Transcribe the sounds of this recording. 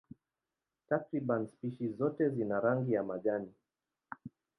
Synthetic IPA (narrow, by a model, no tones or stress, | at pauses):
takɾiɓanspiʃizɔtɛzinaɾaŋɡijamaʄani